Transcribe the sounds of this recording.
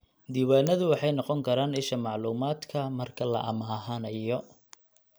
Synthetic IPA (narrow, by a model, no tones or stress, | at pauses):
d̪iːwaːnɐðʊwɑħɑjnɔqɔŋkʰɐɾaːnɪʃɐmɑʕluːmaːd̪kʰɐmɐrkʰɐlɐ̰ʔɐmaːɦɐnɐjɔ